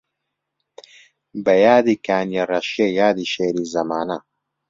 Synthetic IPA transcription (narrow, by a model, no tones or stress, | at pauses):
bɐjaːd̪iːkaːnjerɐʃiejaːd̪iːʃeːɾiːzɐmaːnɐ